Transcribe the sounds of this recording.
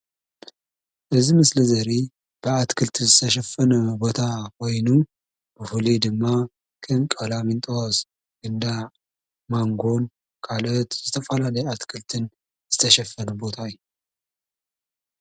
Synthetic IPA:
ʔɨzimɨslɐzɐɾi | b̥ɨat̪kʰɨlt̪ʰizɨt̪ʰɐʃ̬ɐfːɐnubo̞t̪ʰakʰo̞jnu | b̥ɨfulid̪ɨmːa | kʰɨnkʼɐlamint̪ʼos | ɡ̥ɨnd̪aʕ | maŋɡo̞n | kʰalot̪zɨt̪ʰɐfɐlalɐjɛat̪kʰɨlt̪ʰɨn | zɨt̪ʰɐʃɐfːɐnubo̞t̪ʰaɨju

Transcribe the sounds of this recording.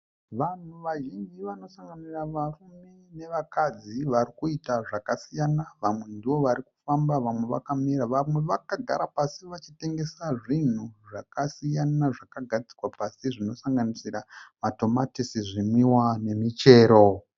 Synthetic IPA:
ʋan̤uʋaʒind͡ʒiʋano̞saŋɡaniraʋarume̞ne̞ʋakad͡ziʋaɾikuitaʐakasijanaʋamwe̞ndiʋo̞ʋaɾiku̥fambaʋamwe̞ʋa̰kamiɾaʋamwe̞ʋakaɡʱa̰ɾapasiʋat͡ʃite̞ŋɡe̞saʐin̤uʐakasijanaʐakaɡʱad͡zikwapasiʐino̞saŋɡanisiramato̞matisiʐimiwane̞mit͡ʃe̞ːɾo̞

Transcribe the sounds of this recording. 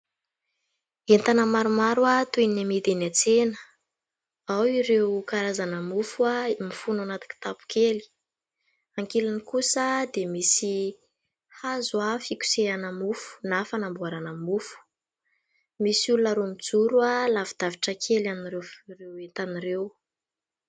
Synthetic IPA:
ent̪anəmaɾumaɾuat̪eninamid̪enat͡senə̥ | awiɾewkaɾazanəmufuamifunanat̪i̥ki̥t̪apu̥kʰeli̥ | aŋkelanikusəd̪emisi | hazwafikʲu̥seanamufu̥nafanambuaɾanəmufu̥ | misulunəɾomid͡zuɾualavid̪̥aviʈ͡ʂəkʰelaniɾerewent̪aniɾew

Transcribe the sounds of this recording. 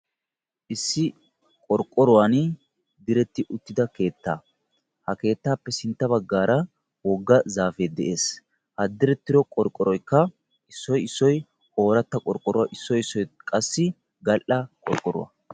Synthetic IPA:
ʔɪsːɪ | kʼɔɾkʼːɔɾʊwan | d̪ɪɾɛt̪ːɪʔʊt̪ːɪd̪ɐke̞ːt̪ːaː | hɐke̞ːt̪ːaːpːɛsɪnt̪ːɐbɐɡːaːɾɐ | wɔɡːɐzaːfed̪ɛʔe̞ːs | hɐd̪ːɪɾɛt̪ːɪɾɔkʼɔɾkʼːɔɾɔjkːɐ | ʔɪsːɔjɪsːɔj | o̞ːɾɐt̪ːɐkʼɔɾkʼɔɾʊwaʔɪsːɔjɪsːɔjkʼɐsːɪ | ɡɐlʔɐkʼɔɾkʼɔɾʊ̰wɐ̰

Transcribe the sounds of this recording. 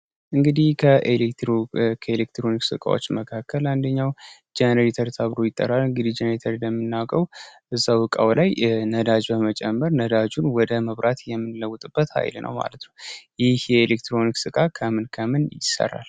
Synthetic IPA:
ʔɨŋɡɨd̪ihkʰəʔelet̪kʰəelek̚t̪ɾo̞niksɨkʼa̰wo̞̰t͡ʃːməkʰakʰːəland̪əɲːawd͡ʒɛnəɾet̪ʰəɾt̪ʰəβɾo̞jɪt̪ʼːə̰ɾalɨŋɡɨd̪ihd͡ʒenəɾet̪ʰəɾd̪əmːɨnːawkʼəwʔɨzːawɨkʼa̰wlajnəd̪ad͡ʒbəmət͡ʃʼɛmːəɾnəd̪ad͡ʒunwɔd̪əməβɾat̪jɛmːɨnləwːʊt̪ʼɨb̥ːət̪ha̰jlnʔə̰wma̰lət̪nəwjɪhjɛelekt̪ɾo̞niksɨkʼakʰəmɨnkʰəmɨnjɪ̰sːə̰ɾa̰l

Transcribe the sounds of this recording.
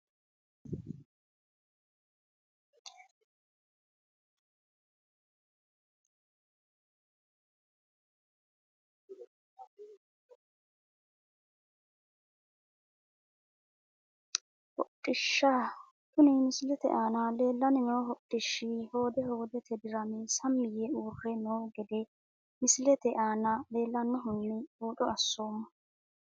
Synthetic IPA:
hɔtʼːɪʃːa | t̪ʊnɪmɪsɪlɛt̪ɛ̰ʔaːnɐle̞ːlːɐnɛnoːɦɔtʼːɪʃːiho̞ːd̪ɛho̞ːd̪ɛt̪ʰɛd̪ɪɾɐmɛsɐmːɪjɛuːrːɛnoːɡɛd̪ɛ | mɪsɪlɛt̪ɛʔaːnɐle̞ːlːɐnːɔɦʊnːɪuːᶑɔɐsːoːmːɐ

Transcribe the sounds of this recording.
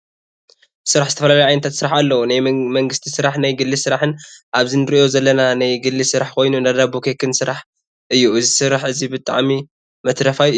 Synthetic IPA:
sɨɾaħzɨt̪ʰɐfɐlalɐjʕajnɐt̪ʰat̪sɨɾaħalːɐwunajmɐŋɡɨst̪ʰisɨɾaħnajɡɨlːisɨɾaħɨnʔaβzinɨɾiʔo̞zɐlːɐnanajɡɨlːɨsɨɾaħkʰo̞jnunad̪abukʰekʰːɨnsɨɾaħ | ʔɨjːuɨzisɨɾaħɨzibɨt̪ʼa̰ʕmi | mɐt̪ɾɐfaj

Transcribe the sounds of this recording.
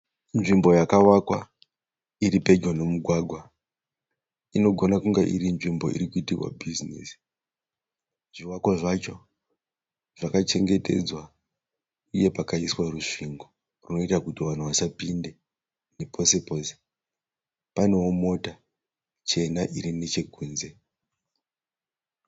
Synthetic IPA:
nʐimbo̞jakawakwa | iɾiped͡ʒonemuɡʱwaɡʱwa | ino̞ɡʱo̞nakuŋɡeʔḭɾinʐimbo̞̰ḭɾikuitirwa̰bʱizinḭsi̥ | ʐiwakwaʐat͡ʃo̞ | ʐ̥akat͡ʃe̞ŋɡe̞te̞̰d͡zwa | uje̞pakaiswaruʂiŋɡo | runo̞itakutiʋan̤uʋasapinde̞ | ne̞pʰo̞sepo̞se̥ | pane̞womo̞ta | t͡ʃe̞naʔiɾine̞t͡ʃe̞ɡʱuːnze̞

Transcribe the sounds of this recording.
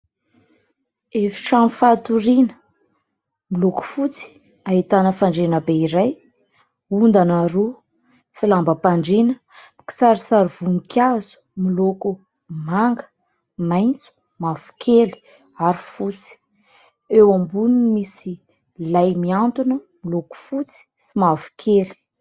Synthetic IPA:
efi̥ʈ͡ʂamifat̪uɾinə | miloku̥fut͡si̥ | ait̪anəfaɳɖ͡ʐenəbeiɾaj | und̪anaɾu | t͡silambəpaɳɖ͡ʐinə̥ | miki̥saɾisaɾiv̥unikʲjazu̥miloku | maŋɡə̥ | majnt͡su̥ | mav̥u̥kʰeli̥ | aɾifut͡si̥ | ewambunimisi | lajmiant̪unə | miloku̥fut͡si̥simavu̥kʰeli̥

